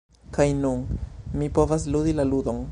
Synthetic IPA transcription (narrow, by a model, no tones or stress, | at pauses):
kajnunmipo̞vas̬ludilaludo̞n